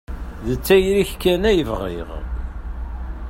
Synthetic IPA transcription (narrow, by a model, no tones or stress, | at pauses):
ðət͡sːæjɾiçkːænæjəvʁḭʁ